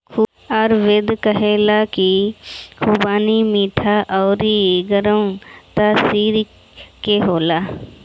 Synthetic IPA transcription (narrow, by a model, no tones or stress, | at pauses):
kʰ | ɔɾʋed̪kəɦeːlakikʰuːbaːnimiːʈʰaʔɔːɾiɡəɾəũt̪aːsiːɾ | keɦoːlaː